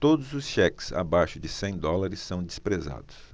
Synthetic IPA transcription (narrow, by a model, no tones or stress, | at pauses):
t̪od̪ʊzʊsʃɛksa̰bajʃʊd͡ʒɪsẽj̃d̪ɔlaɾɪsːɐ̃w̃d͡ʒɪspɾeza̰d̪ʊs